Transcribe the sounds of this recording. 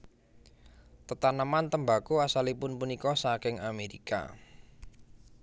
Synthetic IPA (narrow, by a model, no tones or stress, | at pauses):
t̪ət̪anəmant̪əmbakuasalipʊnpunikɔsakɪŋameɾika̰